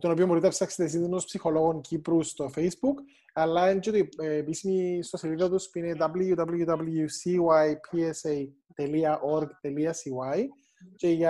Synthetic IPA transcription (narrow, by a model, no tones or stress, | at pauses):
t̪ono̞piombo̞ɾit̪ɐpsɐksit̪es̬inunospsixo̞lo̞ɣoŋcipɾust̪ofe̞jsbuk | ɐlːɐent͡ʃet̪oiːpisimist̪o̞siliðɐt̪uspuined̪ɐbluʝud̪ɐblujud̪ɐbljusiwajpʰiesej | t̪eliɐʔoɾɡt̪eliɐsiwaj | ce̞ʝɐ